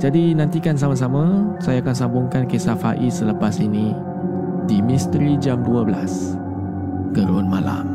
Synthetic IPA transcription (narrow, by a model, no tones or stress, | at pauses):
d͡ʒadinant̪ikans̬amas̬amãsajaːkansambʊŋkankesafa̰ʔisələpasinĩ | dimist̪ɾid͡ʒamduabəla̰s | kəɾunmala̰m